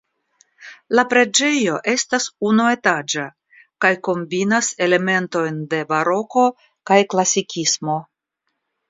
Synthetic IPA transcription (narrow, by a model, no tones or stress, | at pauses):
lapɾe̞d͡ʒe̞jo̞ʔe̞stasunue̞tad͡ʒa | kajko̞mbinase̞le̞me̞nto̞jnde̞baɾo̞ko̞ | kajklasikʲʰismo̞